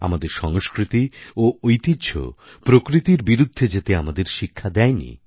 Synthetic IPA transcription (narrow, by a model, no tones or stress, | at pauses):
a̰mad̪eɾʃɔŋoskɾit̪ioojt̪idɕʰo̰ | pɾokɾit̪iɾbiɾud̪ʱːed͡ʑet̪eamad̪eɾʃikʰːad̪ɛjnḭ